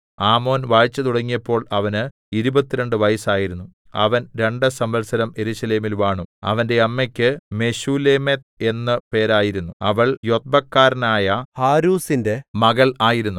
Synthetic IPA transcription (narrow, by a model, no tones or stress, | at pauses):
aːmo̞ːnʋaːjt͡ɕːɐt̪uɽɐŋːijɐpːo̞ːɭɐʋɐnɨ | iɾubɐt̪ːiɾe̞ɳɖɨʋɐjɐsaːjiɾunːu | ɐ̰ʋɐnɾe̞ɳɖɨsɐmʋɐlsɐɾɐme̞ɾuɕɐle̞ːmilʋaːɳuɐ̰ʋɐnde̞ɐmːekʲːɨme̞ɕuːle̞met̪̚e̞nːɐpe̞ːɾaːjiɾunːuɐʋɐɭjo̞t̪̚bɐkːaːɾnaːjɐhaːɾuːsinde̞mɐɣɐɭaːjiɾunːu